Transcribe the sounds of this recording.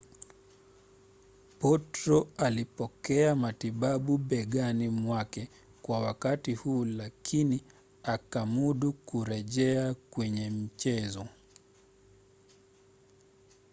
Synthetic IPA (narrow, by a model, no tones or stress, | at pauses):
pɔtɾɔalipɔkɛamatiɓaɓuɓɛɠanimwakɛ | kwawakatihuːlakʰini | akamuɗukuɾɛʄɛakwɛɲɛm̩t͡ʃɛzɔ